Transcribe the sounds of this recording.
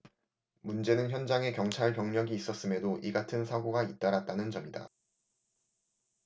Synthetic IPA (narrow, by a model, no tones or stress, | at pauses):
mund͡ʑe̞nɯnçjʌnd͡ʑaŋe̞kjʌŋt͡ɕʰaɭpjʌŋɲʌɡiːs͈ʌs͈ɯme̞doʔiɡatʰɯnsʰaɡoɡait̚t͈aɾat̚t͈anɯnt͡ɕʌmida̰